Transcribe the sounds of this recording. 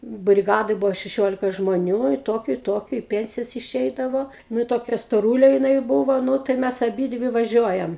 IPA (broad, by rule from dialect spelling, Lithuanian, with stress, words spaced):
bʲrʲɪˈɡɑːdoːj ˈbʊʋoː ʃʲɛˈʃʲoːlʲɪkɐ ʒmoːˈnʲuː ɪ ˈtoːkʲʊ ɪ ˈtoːkʲʊ ɪ ˈpʲɛnʲsʲɪjɛs ɪˈʃʲɛɪdɐʋoː ˈnʊ toːˈkʲɛ stoːˈruːlʲeː jɪˈnɐɪ ˈbuːʋoː ˈnʊ tɐɪ ˈmʲɛs ɐˈbʲiːdʲʋʲɪ ʋɐˈʒʲuɔjɛm